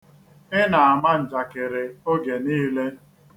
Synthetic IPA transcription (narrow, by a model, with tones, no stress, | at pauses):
ɪ˦na˨a˨ma˦n̩˨d͡ʒa˨kɪ˨ɾɪ˨o˦ɡe˨niː˦le˦